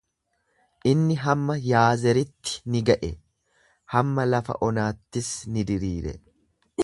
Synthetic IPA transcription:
ʔɪnːɪɦɐmːɐjaːzɛɾɪt̪ːɪ̥nɪɡɐʔɛ | hɐmːɐlɐfɐ̰ʔɔnaːt̪ːɪsnɪd̪ɪɾiːɾɛ̰

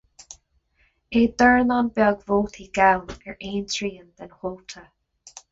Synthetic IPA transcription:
eːd̪əɹnanbɛɔɡvolˠt̪ʰiɡawnəɹʔẽːntɹiːənd̪ənholt̪ʰə

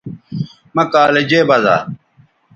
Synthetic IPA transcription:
mɐkaːled͡ʑeːbɐza̰ː

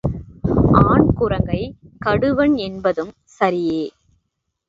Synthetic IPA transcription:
ʔaːɳkʊrɐŋɡɐɪkɐɽɯʋɐɳɛnbɐðɯm | sɐɾɪjeː

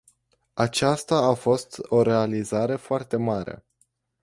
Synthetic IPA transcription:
at͡ʃast̪aːfo̞st̪o̞ɾe̞alizaɾe̞foart̪e̞maɾḛ

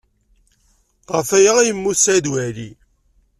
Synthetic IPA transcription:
ʁəfæjaʁjəmːusæd̪wæɾi

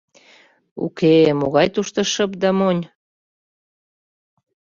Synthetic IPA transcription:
ṵkemoɣɑjt̪uʃt̪ə̆ʃəp̚d̪ɑmonʲ

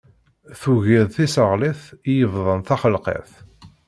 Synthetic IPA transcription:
θuʝiðθisəʁliθijəvðˤənθɑχəlqḛθ

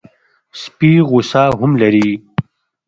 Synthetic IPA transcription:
spiɣʊsaːɦʊmlɐɾi

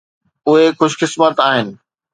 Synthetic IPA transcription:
ʊɦexʊʃkɪsmət̪aːɦɪnɪ̆

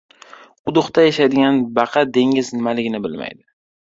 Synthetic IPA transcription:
ʊd̪ʊχt̪ajaʃajd̪ɪɡʲanbɑqʰɑd̪e̞ŋʲɪznɪmalɪɡʲɪnɪbɪlma̰jd̪ɪ

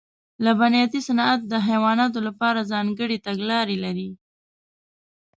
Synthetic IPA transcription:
labanjɑt̪isanɑat̪̚d̪əɦajwɑnɑt̪olapɑɾazɑŋɡəɽet̪aɡlɑɾelaɾi

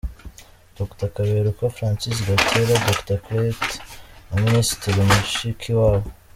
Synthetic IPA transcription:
d̪̥oktakaβeɾukafɾãːnsisɡatʰeɾadoktakɾetaminisi̥tɾeɾumuʃikʰiwaːwo

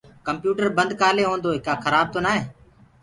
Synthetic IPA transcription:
kəmpjuːʈəɾbənd̪̚ʱkaːleːɦõːnd̪oːɦɪkaːxʰəɾaːb̚t̪oːnaːɦeː

